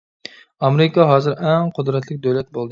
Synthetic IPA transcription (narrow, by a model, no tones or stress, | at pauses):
ɑmeɾɪkʰɑɦɑːzɨɾɛŋqʰʊd̪ɾɛt̪ʰlɪkʲd̪øwlɛt̪̚bolˠd̪ɨ